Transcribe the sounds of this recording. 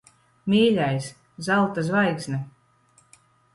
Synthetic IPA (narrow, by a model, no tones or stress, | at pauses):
mʲiːlʲajs | zalˠt̪azvajksʲnʲɛ